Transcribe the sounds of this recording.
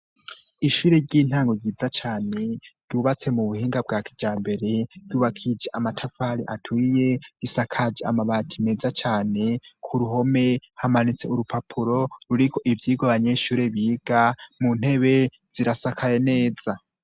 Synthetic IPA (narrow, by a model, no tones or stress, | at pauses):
iʃuːɾeɾɟiːn̥haːŋɡoɾɟiːzat͡ʃaːne̞ɾuːβat͡se̞muβuhiːŋɡabɡakid͡ʒaːmbe̞ɾe̞duːβakʰid͡ʒeʔamatʰafaːɾiʔatʰuje̞ɾisakʰad͡ʒea̰maβaːtʰime̞zat͡ʃaːne̞kʰuɾuɦo̞me̞hamanit͡se̞uɾupapʰuɾo̞ɾuɾikʰo̞ʔivjiːɡaβaɲe̞ːʃuːɾe̞βiːɡ̥amun̥he̞βe̞ | z̥iɾasakʰaje̞ne̞ːza